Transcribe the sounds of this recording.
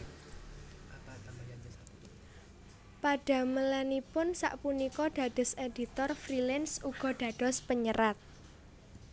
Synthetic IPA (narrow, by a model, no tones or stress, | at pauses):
paɖ̥ä̤məlanipʊnsa̰ʔpunikɔɖ̥ä̤d̥ɔ̤sed̥i̤t̪ɔrfɾilɛnsuɡ̥ɔ̤ɖ̥ä̤d̥ɔ̤spəɲəɾʔat̪̚